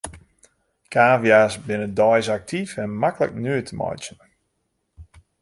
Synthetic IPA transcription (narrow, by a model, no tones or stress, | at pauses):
kʰaːvjaːsbɪnədɔjsak̚tʰifɛnmakələ̰knyətʰəmɔ̰jt͡ʃən